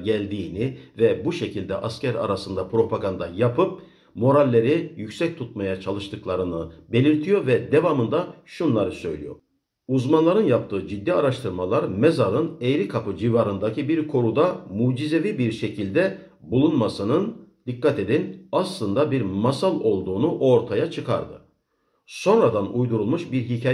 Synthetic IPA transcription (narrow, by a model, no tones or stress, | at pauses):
ɟælʲd̪iːnivɛbuʃe̞cʰilʲd̪ɛʔascæɾa̰ɾasɯnd̪apʰɾo̞pʰaɡand̪ajapɯp̚ | mo̞ɾalʲːe̞ɾijycsɛc̚t̪ʰut̪̚majat͡ʃʰalˠɯʃt̪ʰɯklˠaɾɯnɯbe̞lʲiɾt̪ʰijo̞ɾvɛd̪e̞vamɯnd̪aʃunlˠaɾɯsø̞̰jlʲḭjo̞̰ | uzmanlˠaɾɯnjap̚t̪ʰɯːd͡ʒid̪ːiaɾaʃt̪ʰɯɾmalˠaɾmezaɾɯnejɾikʰapɯd͡ʒivaɾɯnd̪acibiɾkʰo̞ɾud̪amuːd͡ʒize̞vibiɾʃe̞cʰilʲd̪ɛ | bulˠunmasɯnɯnd̪̥ikːat̪e̞d̪inaslˠɯnd̪abiɾmasalˠo̞lˠd̪uːnuʔo̞ɾt̪ʰajat͡ʃʰɯkʰa̰ɾd̪ɯ̰ | so̞nɾad̪anujd̪uɾulˠmuʃbiɾɦicʰaː